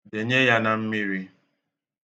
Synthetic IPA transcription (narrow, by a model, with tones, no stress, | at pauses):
de˨ɲe˦ja˦na˨m̩˦mi˦ɾi˦